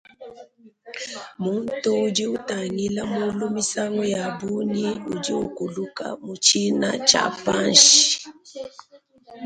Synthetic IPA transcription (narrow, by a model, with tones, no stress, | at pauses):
mu˦n˦tu˦u˨d͡ʒi˦u˦ta˨ŋɡi˦la˦mu˦lu˦mi˦sa˦ŋɡɔ˦ja˨bu˦ni˦u˨d͡ʒi˦ṵ˨ku˨lu˦ka̰˦mu˨t͡ʃi˦na̰˦t͡ʃa̰˨pa˦nʃi̥˨